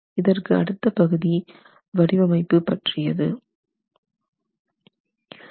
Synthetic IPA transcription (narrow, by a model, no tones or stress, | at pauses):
ɪðɐrkɯɐ̰ɽɯt̪ːɐpɐɣɯði | ʋɐɽɪʋɐmɐɪpːɯpɐʈrɪjɐðɯ